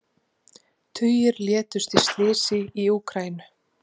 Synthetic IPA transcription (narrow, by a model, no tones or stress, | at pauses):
t̪ʰʏːjɪɾljɛːt̪ʏst̪i̥st̪lɪːsɪiuːkʰɾaːjnʏ̥